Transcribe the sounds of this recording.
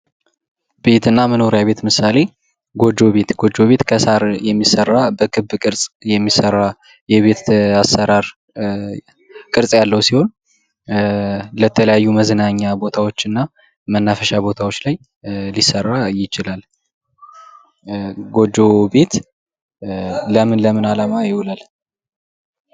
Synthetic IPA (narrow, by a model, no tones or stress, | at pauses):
b̥e̞t̪ɨnːaməno̞ɾjaβe̞t̪mɨsale̞ | ɡo̞d͡ʒːo̞βe̞t̪ɡo̞d͡ʒːo̞βe̞t̪kʰəsaɾjɛmːisərːabəkʰɨbkʼɨɾsʼjɛmːisəɾːa | jɛβe̞t̪asːəɾaɾ | kʼɨɾsʼjalːəwsiho̞n | lət̪ʰələjajːuməzɨnaɲːabo̞t̪ʰawo̞t͡ʃːɨnːa | mənːafəʃabo̞t̪ʰawo̞t͡ʃːlaj | lisərːajɪt͡ʃɪlal | ɡo̞d͡ʒːo̞be̞t̪ | ləmɨnləmɨnalamajɪwʊlal